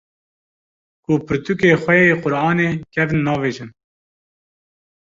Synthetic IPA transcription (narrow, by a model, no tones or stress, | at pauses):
kupʰɨɾt̪ukeːxwɛjeːqʊɾʔɑːneːkʲʰɛvnːɑːveːʒɨn